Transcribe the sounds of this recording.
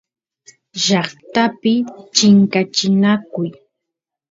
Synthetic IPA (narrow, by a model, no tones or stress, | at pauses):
ʒɑχt̪apɪt͡ʃɪŋkat͡ʃɪnakʊj